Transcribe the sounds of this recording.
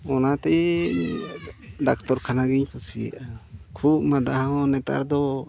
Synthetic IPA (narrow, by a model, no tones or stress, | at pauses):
ɔnat̪ɛ | ɖak̚t̪ɔɾkʰanaɡiɲpusijɛ̰ʔakʰup̚mad̪aɦaɦɔ̃nɛt̪a̰ɾd̪ɔ